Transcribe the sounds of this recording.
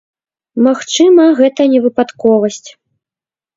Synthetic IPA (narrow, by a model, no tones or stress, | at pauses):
maxt͡ʂɨmɐɣɛt̪ɐnʲɛvɨpat̪kɔvɐsʲt͡sʲ